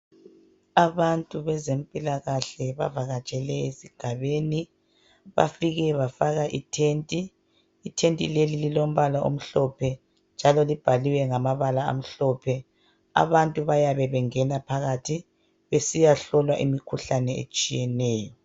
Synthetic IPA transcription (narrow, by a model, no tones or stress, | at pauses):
aβantʼuβɛzempʼilaɣaɬɛβa̰vaɣat͡ʃʼɛlɛesiɡ̥ʱaβeːni | βa̰fiɣɛβafaɣaʔitʰeːntʼiː | tʰentʼilelililom̩βalaʔo̰m̩ɬɔpʰɛ | nd͡ʒʱalɔlib̥ʱaliwɛŋamaβalaa̰m̩ɬɔpʰɛ | a̰βantʼuβajaβɛβɛŋɛnapʰaɣatʰi | βesijaɬɔlwaʔimikʰuɬanɛḛt͡ʃʼijɛnɛːjɔ